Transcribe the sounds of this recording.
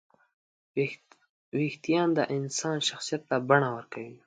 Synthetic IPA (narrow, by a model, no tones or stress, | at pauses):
wixt̪ijɑnd̪əʔɪnsɑnʃaxsijat̪ːabaɳawəɾkawi